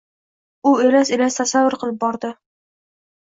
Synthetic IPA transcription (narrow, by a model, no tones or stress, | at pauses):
ʊelaselast̪ʰasavːʊɾqɨlˠɪp̚bɒɾd̪ɪ